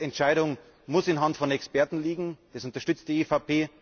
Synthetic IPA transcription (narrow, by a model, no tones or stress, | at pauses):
ɛntʃaɪɾʊŋ | mʊsɪnɦantfɔnɛkspɛɐtn̩liːɡŋ̩d̥asʊntɐʃtʏt͡st̚d̥iːefapʰeː